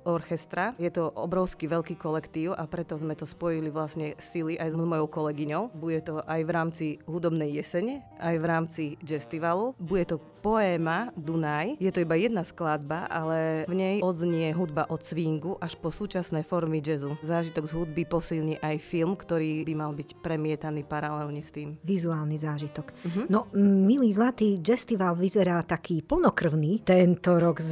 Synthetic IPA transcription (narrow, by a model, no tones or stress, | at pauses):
ɔɾxɛst̪ɾajɛt̪ɔʔɔ̰bɾɔʊskiʋɛʎkiːkɔlɛkt̪iːʊapɾɛt̪ɔzmɛt̪ɔspɔjiliʋlasɲɛsiliʔajzmzmɔjɔʊkɔlɛɡiɲɔʊbuɟɛt̪ɔʔajʋɾaːmt͡siɦud̪ɔbnɛjːɛsɛɲʔajʋɾaːmt͡sid͡ʒɛst̪iʋalubuɟɛt̪ɔ | pɔɛːmad̪unajjɛt̪ɔibajɛd̪nasklad̪baʔa̰lɛvɲɛjɔd̪zɲɪɛɦud̪baʔɔt̪t͡sʋiŋɡuʔaʃpɔsuːt͡ʃasnɛjfɔɾmid͡ʒɛzuzaːʒit̪ɔɡzɦud̪̚bipɔsilɲiʔajfilmkt̪ɔɾiːbimalbicpɾɛmɪɛt̪aniːpaɾalɛlɲɛst̪iːmʋizuaːlnizaːʒit̪ɔkɦnɔmiliːzlat̪iːd͡ʒɛst̪iʋalʋizɛɾaːt̪akiːpl̩ˠnɔkr̩ʊniːt̪ɛnt̪ɔɾɔɡz